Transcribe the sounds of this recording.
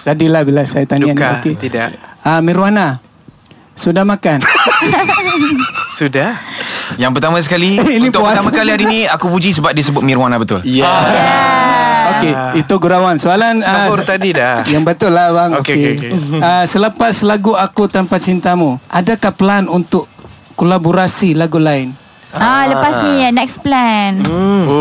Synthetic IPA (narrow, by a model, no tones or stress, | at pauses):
sadilahbilasajat̪anianaoket̪idaʔəmiɾuana | sudahmakan | sudahjaŋp̬ərt̪amas̬əkaliinit̪uast̪amakalihaɾiniakupud͡ʒis̬əbap̚dis̬əbʊt̪̚miɾuanabət̪ʊlja | oke | it̪uɡuɾawansoalanət̪adidajaŋbət̪ʊlːahbaŋokeeəsələpasəlaɡuakut̪ampat͡ʃint̪amuʔadakahpəlanunt̪ʊʔ | kolaboɾasilaɡulaɪn | aləpasɲinɛksplɛn